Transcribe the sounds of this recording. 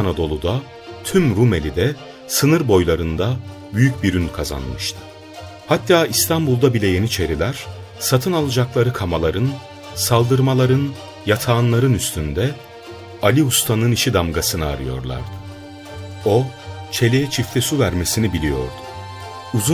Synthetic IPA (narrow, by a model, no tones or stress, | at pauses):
anad̪o̞lˠud̪a | t̪ʰymɾume̞lʲid̪ɛ | sɯnɯɾbo̞jlˠaɾɯnd̪a | byjyc̚biɾynkʰaza̰nmɯʃt̪ʰɯ̥ | hat̪ʰːaːist̪ʰambulˠd̪abilʲɛje̞nit͡ʃʰe̞ɾilʲæɾ̥ | sat̪ʰɯnalˠɯd͡ʒaklˠaɾɯkʰamalˠaɾɯn | salˠd̪ɯɾmalˠaɾɯn | jat̪ʰaːnlˠaɾɯnyst̪ʰynd̪ɛ | alʲiust̪ʰanɯniʃid̪amɡasɯnɯa̰ɾɯjo̞̰ɾlˠa̰ɾd̪ɯ | o̞t͡ʃʰe̞lʲejɛt͡ʃʰift̪ʰɛsuvæɾme̞sinibilʲijo̞̰ɾd̪ʊ̥ | uzu